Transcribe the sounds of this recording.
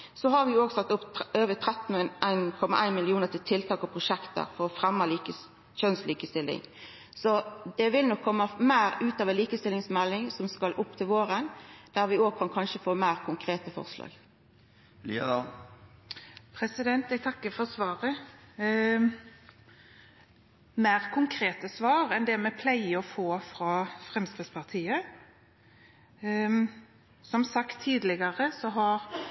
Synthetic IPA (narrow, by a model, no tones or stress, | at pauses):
sɔɦɑɾʋɪoːɡsɑt̪ːʊpøːʋət̪ʰʁɛt̪n̩ənʔæɪnkʰɔmːɑʔæɪnmɪlɪuːnəʁt̪ɪlt̪ʰɪlt̪ʰɑːkɔpʰʁʊʃɛkt̪ə̰ɾfɔɾɔfʁɛmːɑliːkə | ʃœnsliːkəst̪ɪlːɪ̰ŋ | sɔd̪ɛʋɪlnɔkʰːɔmːəmæːɾʉːt̪ɑʋɛnliːkəst̪ɪlɪŋsmɛlːɪŋsɔmskɑlʔʊpːt̪ʰɪlʋoːɾənd̪̥æɾʋɪoːɡ̚kʰɑnkʰɑnʃəfoːmæːʁkʰʊŋkʰʁeːt̪əfɔ̰ʁslɑ̰ːɡ | pʰʁɛsɪd̪ɛnt̪ɛɡt̪ʰɑkːəfɔʁsʋɑːʁə | mæːʁkʰʊŋkʰɾeːt̪əsʋɑːʁɛnd̪ɛmɛpʰlæɪəɔfoːfʁɑːfʁɛmst̪ʋəspʰɑʁt̪ʰiːə | sɔmsɑkt̪ʰːiːd̪lɪɡəʁəsɔɦɑɾ